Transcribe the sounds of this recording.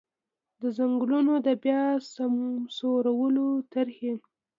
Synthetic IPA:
d̪əzaŋɡlunod̪əbjɑsamsoɾawəlot̪aɾhe

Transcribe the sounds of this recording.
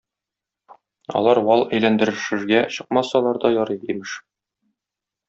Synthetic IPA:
ɒ̰lˠɑɾwɒlˠæjlænd̪ɘ̆ɾɘ̆ʃɘ̆ɾɡæɕɤ̥̆q̚mɑsɑlˠɑɾd̪ɒjɒɾɤjimɘʃ

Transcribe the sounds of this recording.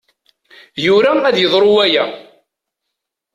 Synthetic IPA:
jʊɾææðjəðˤɾʊwæjæ

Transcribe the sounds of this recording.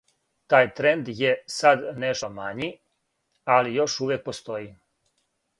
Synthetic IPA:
t̪aːjt̪ɾend̪jesad̪neʃt̪omaɲi | alijo̞ʃuːʋjek̚po̞st̪o̞ji

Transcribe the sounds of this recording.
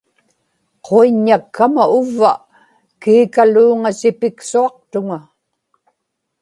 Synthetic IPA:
qʰoiɲːakʰːamaʊvːa̰ | kiːkaluːŋasɪpɪksuɑq̚t̪ʊŋa

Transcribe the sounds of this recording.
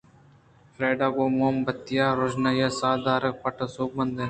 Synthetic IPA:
fɾeːɖaːkoːmoːmbət̪ːɪjaːɾod͡ʒnajasaːd̪aːɾək̚pɐʈɐsoːk̚bənd̪e

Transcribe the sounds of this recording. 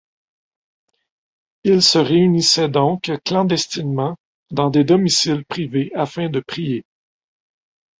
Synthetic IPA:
ilsəʁeynisɛd̪ɔ̃kklɑ̃d̪ɛst̪inmɑ̃ | d̪ɑ̃d̪ed̪ɔmisɪlpχiveafɛ̃d̪əpχije

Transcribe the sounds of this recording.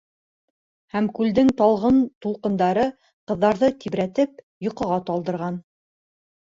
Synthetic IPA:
hæmkʉld̪ɘŋt̪ɑlˠʁɤnt̪ulˠqɤ̆nd̪ɑɾɤ | qɤ̆ðːɑɾðɤt̪ibɾæt̪ɘp | jŏqɤ̆ʁɑt̪ɑlˠd̪ɤ̆ɾʁɑn

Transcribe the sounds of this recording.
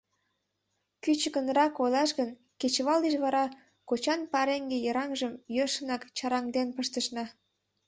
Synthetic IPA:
kyt͡ɕəkənrɑkolɑʃɣən | ket͡ɕβɑleʃβɑɾɑ | kot͡ɕɑnpɑɾeŋɡejəɾɑŋʒəmjøʃənɑkt͡ɕɑɾɑŋd̪enpəʃt̪əʃnɑ

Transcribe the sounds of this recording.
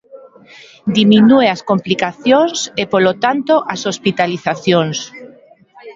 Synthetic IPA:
d̪iminueaskomplikaθjoŋsepolot̪ant̪oʔasospit̪aliθaθjoŋs

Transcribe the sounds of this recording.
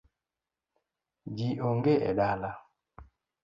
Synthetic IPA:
d͡ʒiʔoŋɡeʔɛ̰ɗala

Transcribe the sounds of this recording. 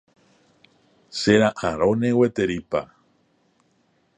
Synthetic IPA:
seɾaʔaɾonewet̪eɾipa̰

